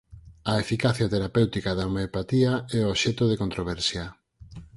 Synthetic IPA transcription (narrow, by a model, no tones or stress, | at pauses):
aefikaθjat̪eɾapewt̪ikaðaomeopat̪iaɛoʃɛt̪oð̞ekont̪ɾoβ̞ɛɾsja